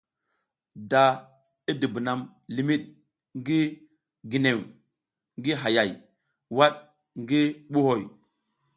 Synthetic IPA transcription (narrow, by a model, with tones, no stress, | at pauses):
da˨ | i˦di˨bi˨na˨m | li˨mi˦ɗ | ŋɡi˦ | ɡi˨ne˨w | ŋɡi˦ɦa˨ja˨j | wa˦ɗ̚ | ŋɡi˦ɓu˦ho˨j